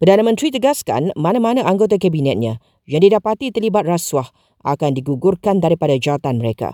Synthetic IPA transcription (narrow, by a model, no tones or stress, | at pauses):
pərdanãmə̃nt̪ɾit̪əɡaska̰nmãnãmãnãʔaŋɡot̪̬akabinɛt̪̚ɲã | jaŋdidapat̪it̪əlibat̪̚raswah | ʔa̰kandiɡuɡʊrkandaɾipadad͡ʒaat̪anməɾeka̰